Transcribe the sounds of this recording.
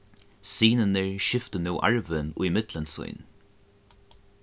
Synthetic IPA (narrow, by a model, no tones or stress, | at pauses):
siːnənəɹʃɪft̪ənuːʔa̰ɹʋɪnʊ̰jmɪt̪lənsʊ̰jn